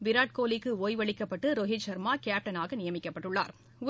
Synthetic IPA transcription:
ʋɪɾaːʈ̚koːlɪkːɯoːjʋɐɭɪkːɐpːɐʈːɯɾɔɣɪt͡ʃɐɾmaːkaːp̚ʈɐnaːɣɐnɪjɐmɪkːɐpːɐʈːɯɭːa̰ːɾ | ʊ

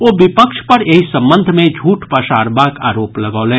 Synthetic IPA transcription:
oːʋɪpəkʃpɐɾeɦisɐ̃mbə̃nd̪ʱmẽd͡ʒʱuːʈpɐʃaːɾbaːka̰ːɾoːplɐɡaːlɛ̃ː

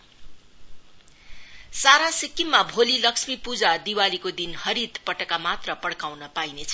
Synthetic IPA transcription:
saɾasikːimːabʱolilʌksmipud͡zad̪iwalikod̪inhʌɾit̪pʌʈʌkamat̪rʌpʌɽkawnʌpainet͡sʰʌ̥

